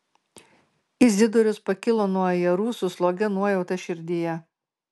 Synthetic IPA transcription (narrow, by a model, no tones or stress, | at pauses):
ɪzʲd̪ʲɪd̪ʊɾʲʊspɐkʲɪlˠoːnuɔjɛɾuːsʊslˠoːɡʲɛnuɔjɛʊt̪ɐʃʲɪɾʲd̪ʲɪjɛ